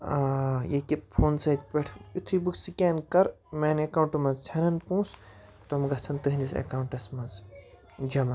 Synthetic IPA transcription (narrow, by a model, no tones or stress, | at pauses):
jekippʰoːnsɐjt̪̚pʲeʈʰut̪ʰibuksikʲeːnkɐɾ | menekauɳʈumɐzt͡sʰɐnɐnpũːs | t̪omɡɐt͡sʰɐnt̪ɨɦinisɐ̰kauɳʈɐsmɐz | d͡ʒɐma